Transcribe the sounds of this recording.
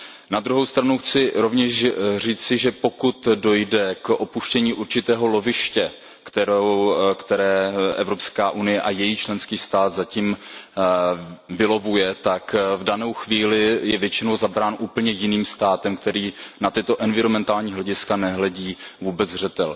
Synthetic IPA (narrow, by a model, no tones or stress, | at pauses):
nad̪ɾuɦo̞wst̪ɾanuxt͡sɪɾovɲɛʃr̝iːt͡sɪʒɛpo̞kut̪do̞jdɛkʔo̞puʃcɛɲiːʔuɾt͡ʃɪt̪ɛːɦo̞lo̞vɪʃcɛ | kt̪ɛɾowkt̪ɛɾɛːʔɛ̰vɾopskaːʔunɪjɛʔajɛjiːt͡ʃlɛnskiːst̪aːt̪zaciːm | vɪlo̞vujɛt̪akvdano̞wxviːlɪjɛvjɛt͡ʃɪno̞wzabɾaːnʔuːpl̩ɲɛjɪniːmst̪aːt̪ɛmk̚t̪ɛɾiːnat̪ɪt̪o̞ʔɛnvɪɾomɛnt̪aːlɲiːɦlɛɟɪskanɛɦlɛɟiːvuːbɛd͡zr̝ɛt̪ɛl